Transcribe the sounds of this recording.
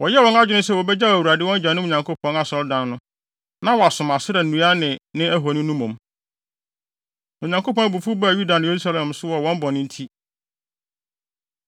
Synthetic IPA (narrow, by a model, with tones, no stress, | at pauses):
wɔ˨jɛ˦wɔ̃˦na˦d͡ʒd͡ʑᶣɪ˦nʊ̃˦sɛ˦˨wɔ˨bɛ˦d͡ʑa˦æ˨wu˨ɾa˨dɪ˦wɔ̃˦n˦d͡ʑᶣã˨nʊ̃˦ʊ̃˨ɲã˨ŋkʰo˦pʰɔ̃˨˦na˨sɔ˨ldã˨nːʊ̃˦ | nã˦wɔ˨a˨sʊ̃˨ma˨sɪ˦ɾɛ˨ũ˨˦a˦nɪ̃˨nɪ̃˦æ˦ɦo˨nɪ̃˦nũ˦mõ˨m | ʊ̃˨ɲã˨ŋkʰo˦pɔ̃˦bu˨fu˦bju˦da˨nɪ̃˨je˨ɾu˦sa˦lɛ̃˨msʊ˦wɔ˨wɔ̃˦m˦bɔ˨nɪ̃˦n̩˦tʰi˦